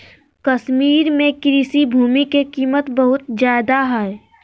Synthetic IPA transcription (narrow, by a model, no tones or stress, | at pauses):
kɐʃmiːɾmẽkɾiːsibʱuːmikekiːmət̪bəɦʊt̪zjaːd̪aɦɛː